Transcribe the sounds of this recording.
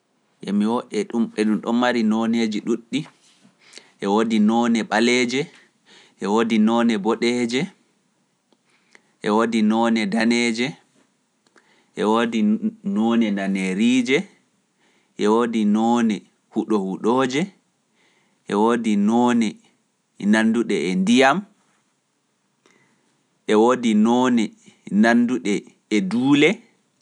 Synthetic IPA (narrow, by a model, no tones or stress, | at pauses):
ʔɛmiwɔɗɛɗumɓɛɗumɗɔmːaɾinɔned͡ʒiɗuɗːi | ʔɛwoːdinɔnɛɓalɛd͡ʒɛ | ʔɛwoːdinɔːnɛbɔɗɛd͡ʒɛ | ʔɛwoːdinɔnɛdanɛːd͡ʒɛ | ʔɛwodinɔnɛnaneɾid͡ʒɛ | ʔɛwoːdinɔnɛ | huɗɔhuɗoːd͡ʒɛ | ʔɛwodinɔnɛ | nanduɗɛɛndijam | ʔɛwoːdinɔnɛ | nanduɗɛː | duːlɛ